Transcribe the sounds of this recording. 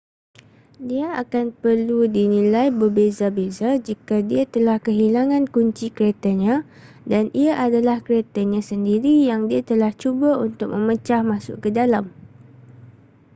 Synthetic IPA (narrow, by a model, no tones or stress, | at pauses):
diaakanpərludinĩlajbərbezabezad͡ʒikadiat̪əlahkəɦilaŋãnkuɲt͡ʃikəɾet̪aɲã | danʔiaʔadalahkɾet̪aɲãsəndiɾijaŋdiat̪əlaht͡ʃubaunt̪ʊk̚mə̃mət͡ʃahmãsʊ̰ʔkədalam